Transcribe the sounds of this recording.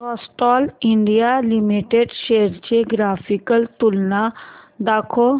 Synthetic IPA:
kɔːsʈɔːliɳɖijalimiʈeɖʃeəɾt͡ɕeɡɾaːfʰikəlt̪ulnad̪akʰo

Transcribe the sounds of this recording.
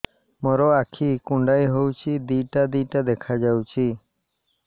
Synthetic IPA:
mɔɾɔakʰikuɳɖajɦowt͡ʃʰid̪iʈad̪iʈad̪ekʰad͡ʒawt͡ʃʰi

